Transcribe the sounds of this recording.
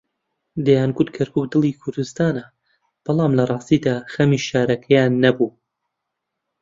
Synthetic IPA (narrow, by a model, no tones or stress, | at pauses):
d̪ejaːnɡut̪̚kʰɐɾkʰuːk̚d̪ɨlˠiːkʰʊɾd̪ɨst̪aːnɐ | b̥ɑlˠɑːmlɐrˤɑːst̪iːd̪aːxɐmiʃaːɾɐkʰɛjaːnːɐbuː